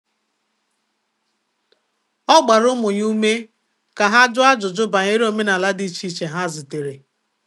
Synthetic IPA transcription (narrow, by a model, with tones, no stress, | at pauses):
ɔ˦ɡ͡ba˨ɾʊ˦mʊ˨ɲu˦me˦ | ka˨ɦa˦d͡ʒʊ˦a˦d͡ʒʊ˨d͡ʒʊ˦ba˨ɲe˦ɾi˦o˨me˦na˨la˦di˦t͡ʃi˦t͡ʃe˨ɦa˦zi˨te˨ɾe˨